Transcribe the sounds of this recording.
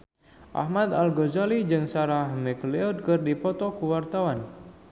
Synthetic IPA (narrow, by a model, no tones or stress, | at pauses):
ʔa̰hmat̪alɡɔzalid͡ʒɨŋsaɾahmɛkleɔd̪̚kɨrdipɔt̪ɔkuwart̪awan